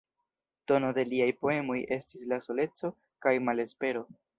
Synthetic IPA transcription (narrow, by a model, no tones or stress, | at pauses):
to̞no̞de̞liajpo̞e̞mo̞jʔe̞stislaso̞le̞t͡so̞ | kajmale̞spe̞ɾo̞